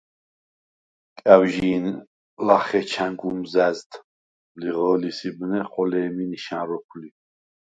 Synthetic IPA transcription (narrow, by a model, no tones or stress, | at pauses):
kʼæwʒiːn | laχɛt͡ʃʰaŋɡumzæzt̪ | mliʁɔːlisibnɛχɔlɛːminiʃanɾɔpʰli